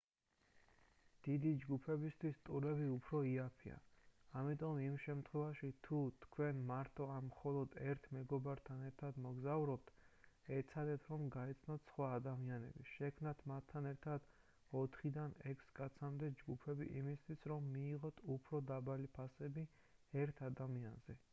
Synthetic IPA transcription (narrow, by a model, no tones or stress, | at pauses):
d̪̥id̪id͡ʒɡupʰɛbist̪ʰwist̪ʼuɾɛbiupʰɾɔiapʰḭa̰amit̪ʼɔmimʃɛmt̪ʰχwɛvaʃit̪ʰut̪ʰkʰwɛnmaɾt̪ʼɔammχɔlˠɔd̪ɛɾt̪ʰmɛɡɔbaɾt̪ʰanɛɾt̪ʰad̪mɔɡzauvɾɔp̚t̪ʰ | ɛt̪sʰad̪ɛt̪ʰɾɔmɡaɛt̪sʰnɔt̪ʰsχwaːd̪amianɛ̰biʃɛkʰmnat̪ʰmat̪ʰːanɛɾt̪ʰad̪̥ | ɔt̪ʰχid̪anɛkʰskʼat̪sʰamd̪ɛd͡ʒɡupʰɛbḭʔḭmist̪ʰwisɾɔmːiːʁɔt̪ʰupʰɾɔd̪abalipʰasɛbi | ɛɾt̪ʰad̪amia̰nzɛ